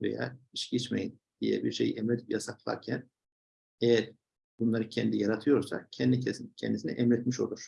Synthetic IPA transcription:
veja̰iʃɟit͡ʃmejin | d̪̥ḭjɛ̰biɾʃe̞̰jiʔɛmɾɛt̪ʰipjasaplˠa̰ɾcʰæn | ejæɾ | bunlˠaɾɯcʰɛnd̪ijaɾat̪ʰɯjo̞ɾsa̰cʰɛnd̪icʰɛscʰɛ̰nd̪isinɛ̰ʔɛmɾɛt̪miʃo̞̰lˠuɾ̥

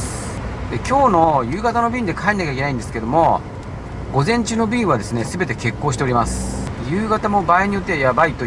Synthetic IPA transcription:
d̪ekʲo̞ːno̞jɯːɡat̪ano̞bʲĩːnd̪e̞kʰaeɲinakaikʲenaĩnd̪eske̞d̪o̞mo̞ | ɡo̞zẽ̞ɲ̟t͡ɕɨːno̞bʲĩːβad̪e̞sɨne̞sɨbe̞t̪e̞ke̞kːo̞ːɕi̥t̪eo̞ɾʲimasɨ̥jɯːɡat̪amo̞baeɲ̟ijo̞t̪ːejabait̪o

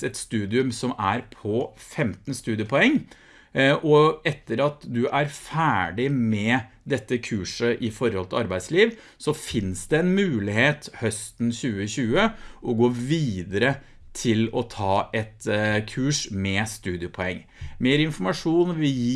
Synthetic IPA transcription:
ɛt̪st̪ʉːd̪ɪʉmsɔmæɾpʰɔfɛmt̪nst̪ʉːd̪ɪəpʰɔɛŋː | ɔɛt̪ːəɾɑt̪d̪ʉʔæɾfæːɖɪmɛd̪ɛt̪ːəkʰʉːʂəʔɪfɔɾhɔlt̪ʰɪlɑɾbæɪd̪sliːʋ | sɔfɪnsd̪ɛɛnmʉːlɪheːt̪hœst̪n̩ɕʉːəɕʉːəʔɔɡoːʋiːd̪əɾə | t̪ʰɪlɔt̪ʰɑːɛt̪kʰʉːʂmɛst̪ʉːd̪ɪəpʰɔɛŋː | meːɾɪnfɔɾmɑʂuːnʋɪ

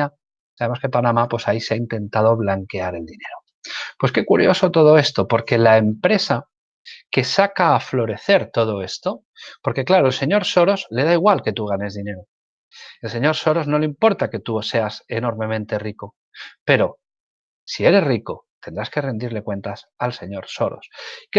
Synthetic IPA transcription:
a | saβe̞mo̞skepanãmapwe̞saise̞aint̪ẽ̞nt̪að̞o̞βlaŋke̞aɾe̞ld̪ine̞ɾo | pwe̞ske̞kuɾjo̞so̞t̪o̞ð̞o̞e̞st̪o̞po̞ɾke̞lae̞mpɾe̞sa | ke̞sakaːflo̞ɾe̞θe̞ɾt̪o̞ð̞o̞e̞st̪o̞ | po̞ɾke̞klaɾoelse̞ɲo̞ɾso̞ɾo̞zle̞ð̞aiɣ̞walke̞t̪uɣ̞ane̞zðine̞ɾo | e̞lse̞ɲo̞ɾso̞ɾo̞zno̞leimpo̞ɾt̪ake̞t̪uose̞ase̞no̞ɾmemẽ̞nt̪e̞riko̞ | pe̞ɾo̞ | sie̞ɾe̞sriko̞t̪end̪ɾaske̞re̞nd̪iɾle̞kwe̞nt̪asalse̞ɲo̞ɾso̞ɾo̰sk

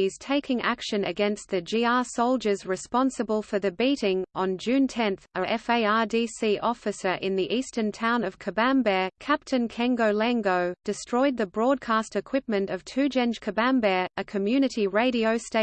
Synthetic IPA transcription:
iz̥tʰeɪkɪ̃ŋʔæ̰kʃɨ̃nɨɡɛ̃nst̪̚ðɨd͡ʒiɑɹsoʊlˠd͡ʒə˞zɹɨspɑ̃nsəbəlˠfə˞ðɨbiɾɪ̃ŋə̃nd͡ʒʉ̃ntʰɛ̃nθəʔɛfeɪɑdisiʔɔfɨsə˞ʔɪ̃nðiʔistə̃˞ntʰãʊ̃nʌv̥kʰɨbæ̃mbɛkʰæp̚tʰɨ̃nkʰæ̃ŋɡoʊlæ̃ŋɡoʊd̥ɨstɹ̥ɔɪd̪̚ðɨbɹɔd̚kʰɑstɨkʰw̥ɪp̚mɨ̃ntʌv̥tʰʉd͡ʒɛ̃nd͡ʒ̥kʰɨbæ̃mbɛɨkʰɨmjʉnɨɾiɹeɪɾiəʊsteɪ

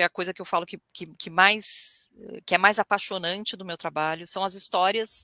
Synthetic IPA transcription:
ɛɐkojzɐkɪewfalʊkɪkɪkʰɪmajsɛ̰kɪɛmajzapaʃonɐ̃nt͡ʃɪd̪ʊmewt̪ɾabaʎʊsɐ̃w̃ɐzist̪ɔɾiɐs

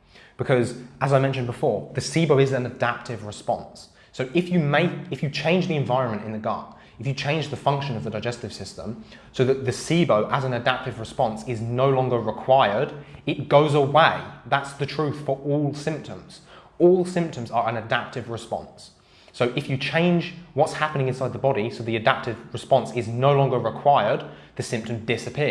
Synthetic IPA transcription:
b̥ɨkʰʌzəzaɪmɛ̃nʃɨ̃nbɪfɔːɹðɨsibəʊɪzɨ̃nədæp̚tʰɪvɹɨspɒ̰̃ns | oʊʔɪfjɨmeɪkɨfjɨt͡ʃʰẽɪ̃nd͡ʒðiɨ̃ɱvaɪɹə̃nmə̃ntɪ̃nðəɡɑ̰ʔ | ɨfjɨt͡ʃʰẽɪ̃nd͡ʒðəfʌ̃ŋkʃɨ̃nʌvðədaɪd͡ʒɛstɨv̥sɪstə̰̃msoʊðət̪̚ðɨsibəʊʔəzə̃nədæp̚tɨvɹɨspɑ̃nsɪznoʊlɒ̃ŋɡəɹɪkʰw̥aɪə˞dɪt̚ɡ̥oʊzəweɪðætsðɨtʰɹ̥ʉˑθfə˞ʔɔlˠsɪ̃mp̚tʰə̃mz̥ | ɔlˠsɪ̃mp̚tʰə̃mzə˞ə̃nɨdæp̚tɨvɹɨspɑ̰̃nsː | oʊʔɪfjɨt͡ʃʰẽɪ̃nd͡ʒwɒtshapənɪ̃ŋɪ̃nsaɪd̪̚ðəbɒɾisoʊðiɨdæp̚tɪvɹɨspɑ̃nsɪznoʊlɒ̃ŋɡəɹɪkʰw̥aɪə˞d̪̚ | ðɨsɪ̃mp̚tɨ̃mdɪsɨpʰɪ

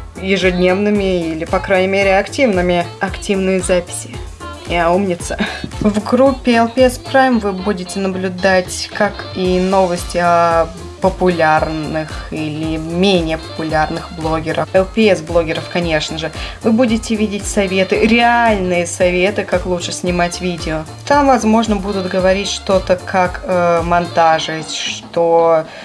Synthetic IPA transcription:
jɪʐɨdʲnʲe̞vnɨmʲɪilʲɪpɐkɾanʲɪəmʲeɾʲɪɐktʲivnɨmʲɪɐktʲivnɨjəzapʲɪ̥sʲɪ | ɪɐumnʲɪt̪sə̥vɡɾupʲːɪɛlˠpʲɛspɾajmvɨbudʲɪtʲɪnəblʲʊd̪atʲkakino̞vəsʲtʲɪɐ | pəpʊlʲarnɨxilʲɪmʲenʲɪjəpə̥pʊlʲarnɨxblˠo̞ɡʲɪɾʔəfɛlˠpʲɪɛsblˠo̞ɡʲɪɾəfkɐnʲe̞ʂnəʐɨvɨbudʲɪtʲɪvʲidʲɪtʲsɐvʲe̞t̪ɨɾʲɪalʲnɨjəsɐvʲe̞t̪ɨkaklˠutʂɨsʲnʲɪmatʲvʲidʲɪo | t̪amvɐzmo̞ʐnəbud̪ʊt̪ɡəvɐɾʲitʲʂt̪o̞t̪əkʰakəmɐnt̪aʐɨʂt̪o

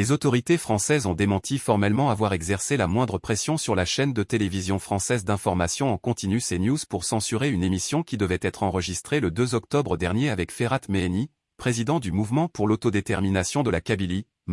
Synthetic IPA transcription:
lezot̪ɔʁit̪efχɑ̃sɛzɔ̃d̪emɑ̃t̪ʰifɔʁmɛlmɑ̃avwaʁɛɡzɛʁselamwɛ̃d̪ʁəpχesjɔ̃syʁlaʃɛnd̪ət̪elevizjɔ̃fχɑ̃sɛzd̪ɛ̃fɔʁmasjɔ̃ɑ̃kɔ̃t̪inysenjuzpuʁsɑ̃syʁeynemisjɔ̃kʲid̪əvɛt̪ɛt̪χɑ̃ʁəʒist̪χeləd̪øzɔk̚t̪ɔbʁəd̪ɛʁnjeavɛkfeʁat̪meni | pχezid̪ɑ̃d̪ymuvmɑ̃puʁlot̪od̪et̪ɛʁminasjɔ̃d̪əlakʲabili

